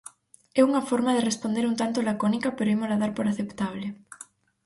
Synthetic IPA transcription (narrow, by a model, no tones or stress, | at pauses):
ɛuŋɐfɔɾmaðerespond̪eɾunt̪ant̪olakonikɐpeɾoɛmolaðaɾpoɾaθept̪aβlɪ